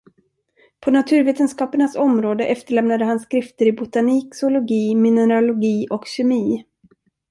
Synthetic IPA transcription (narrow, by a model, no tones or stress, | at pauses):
pʰɔnat̪ʰʉ̟ːɾveːt̪ənskɑːpəɳasɔmɾoːd̪əʔɛft̪əɭɛmnad̪əhanskɾɪft̪əɾɪbʊt̪aniːksoʊlʊɡiːmɪnəɾalʊɡiːʔɔkɕɛmiː